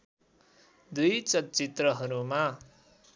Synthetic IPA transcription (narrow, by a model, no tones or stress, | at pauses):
d̪ujt͡sʌtt͡sit̪rʌɦʌɾuma